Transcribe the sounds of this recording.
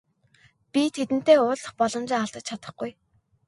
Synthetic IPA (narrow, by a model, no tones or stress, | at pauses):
pʲit̪ʰet̪ɘ̆n̥t̪eːʊːɮə̆χpɔɮɞ̆mt͡ɕɪŋaɬt̪ə̆t͡ɕ̚t͡ɕʰat̪ə̆χɡuj